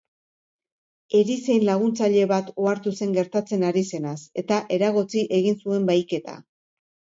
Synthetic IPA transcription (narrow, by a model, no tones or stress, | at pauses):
e̞ɾise̞jnlaɣ̞unt͡saʎe̞βat̪o̞aɾt̪use̞ŋɡe̞ɾt̪at͡se̞naɾise̞nase̞t̪aʔe̞ɾaɣ̞ot͡siʔe̞ɣinsue̞mbajke̞t̪a̰